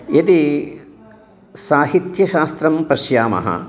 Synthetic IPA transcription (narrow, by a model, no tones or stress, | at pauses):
jɐt̪i | saːɦit̪jɐʃaːst̪ɾɐmpɐʃjaːmɐ̰ɦɐ̰